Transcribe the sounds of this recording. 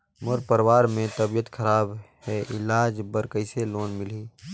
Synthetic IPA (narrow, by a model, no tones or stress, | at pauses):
mʊɾpəɾwaːɾmẽt̪əbijət̪kʰəɾaːbɦɛʔɪlaːd͡ʒbəɾkəɪseloːnmɪliː